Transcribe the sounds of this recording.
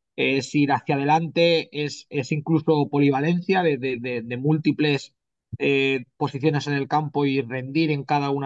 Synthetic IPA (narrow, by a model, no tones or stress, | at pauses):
esiɾaθjað̞e̞lant̪e̞ese̞siŋkluso̞po̞liβ̞ale̞n̟θjaðe̞ðeðede̞mult̪iple̞s | epo̞siθjo̞ne̞se̞ne̞lkampo̞ire̞nd̪iɾe̞ŋkaðaun